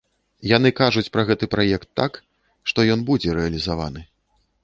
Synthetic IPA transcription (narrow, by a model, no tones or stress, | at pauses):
janɨkaʐut͡sʲpɾɐɣɛt̪ɨpɾajɛkt̪ːak | ʂt̪ɔjɔnbud͡zʲɛɾɛɐlʲizava̰nɨ